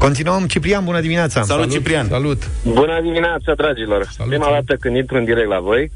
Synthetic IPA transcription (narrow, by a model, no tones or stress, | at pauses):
ko̞nt̪inuəmt͡ʃipɾianbunəd̪imineat̪sasalutlt͡ʃipɾiansalut̪bunəd̪imineat̪sad̪ɾad͡ʒilorsa̰pɾimad̪at̪əkɨnit̪ɾɨnd̪iɾek̚t̪la̰vo̞j